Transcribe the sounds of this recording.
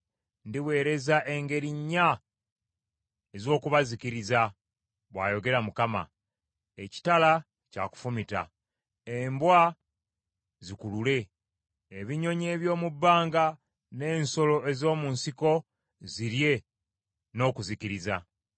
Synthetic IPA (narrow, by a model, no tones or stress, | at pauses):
ndiwe̞ːɾe̞zaʔe̞ŋɡe̞ɾiɲːa | ezo̞ːkuβazikiɾiza | βwa̰ːjo̞ɡe̞ɾamukama̰ | e̞ci̥tala | ca̰ku̥fumita̰ | embwa | zikulule̞ː | βiɲo̞ɲe̞ːβjo̞ːmubːaːŋɡa | ne̞ːnso̞lo̞e̞zo̞ːmuːnsiko̞ | ziɾje̞ | no̞ːkuziciɾiza